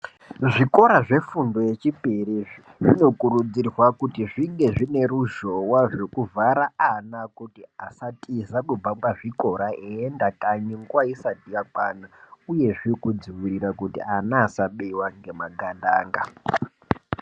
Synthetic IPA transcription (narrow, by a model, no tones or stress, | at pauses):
ʐiko̞ɾaʐe̞fundo̞je̞t͡ʃipiri | ʐino̞kuɾud͡zirwakutiʐiŋɡe̞ʐine̞ɾuʒo̞waʐo̞kuvaɾaanakutiasatʰizakub͡vabaʐiko̞ɾaʔeendakaɲiŋɡwaisatijak͡pa̰ːnauje̞ʐikud͡ziwiɾirakutḭanaːsaɓewaŋɡe̞maɡʱanda̰ːŋɡa